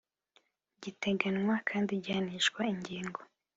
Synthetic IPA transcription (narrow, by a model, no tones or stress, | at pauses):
ɟite̞ɡanŋwakʰaːndiɟaniʃkwaiɲɟiːŋɡo̞